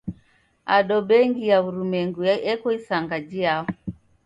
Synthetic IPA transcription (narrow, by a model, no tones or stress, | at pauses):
aɗɔɓɛŋɡijauɾumɛŋɡuɛkɔisaŋɡad͡ʒiaɔ